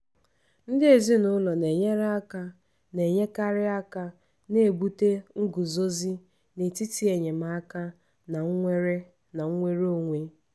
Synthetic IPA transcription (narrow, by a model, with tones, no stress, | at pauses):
n̩˦dɪ˦e˨zi˦nʊ˦lɔ˨ne˨ɲe˦ɾa˦ka˦ | ne˨ɲe˦ka˦ɾɪ˦a˦ka˦ | ne˦e˨bu˦te˦ŋ̩˦ɡu˨zo˦zi˦ | ne˨ti˦ti˦e˨ɲe˨ma˦a˦ka˦ | na˨ŋ̩˦ŋʷe˦ɾe˦ | na˨ŋ̩˦ŋʷe˦ɾo˨ŋʷe˦